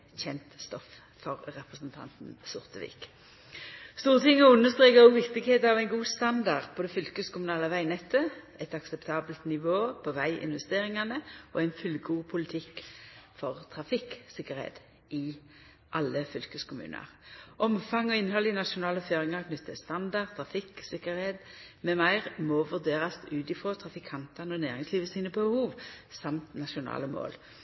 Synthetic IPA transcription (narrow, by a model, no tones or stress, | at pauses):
çɛnt̪st̪ɔf | fɔʁʁɛpʁəsnt̪ʰɑ̰nt̪n̩sʊʁt̪əʋḭːk | st̪uːʁt̪ʰɪŋːɔʉnːəst̪ʁeːkəɔʋɪkt̪ɪɡheːt̪ɑʋæɪnɡuːst̪ɑnd̪ɑʁpʰɔd̪ɛfʏlkəskʊmʉnɑːləʋæɪnɛt̪ːə | ɛt̪ɑksɛpt̪ʰɑːbəlt̪nɪʋoːpʰɔʋæɪʔɪ̰nʋɛst̪eːʁɪŋɑnəʔɔɛɪnfʉlɡuːpʰʊlɪt̪ʰɪkːfɔʁt̪ʰʁɑfɪksɪkːəɾhḛːd̪ | ʔɪ | ʔɑlːəfʏlkəskʰʊmʉ̰ːnə̰ʁʔɔmfɑŋɔɪnhɔlːɪnɑʃʊnɑːləføːʁɪŋɑʁkʰnʏt̪ʰːəst̪ɑnd̪ɑʁt̪ʰʁɑfɪksɪkəɾheːd̪mɛmæɪʁmɔʋʉʁd̪eːʁɑst̪ʉːt̪ɪfʁoːt̪ʰʁɑfɪkʰɑnt̪ɑnəɔnæːʁɪŋsliːʋəsiːnəbəbəhuːʋsɑmt̪nɑʃʊnɑ̰ːləmo̰ːl